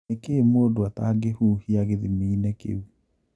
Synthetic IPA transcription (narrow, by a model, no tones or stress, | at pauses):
ekeːmoːdoataːɡehuːhiaɣeðimiinɛkḛwi